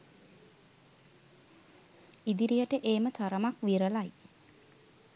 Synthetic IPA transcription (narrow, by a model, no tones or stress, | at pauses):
id̪iɾijəʈəʔeːmət̪ʰaɾəmakʋiɾəlaj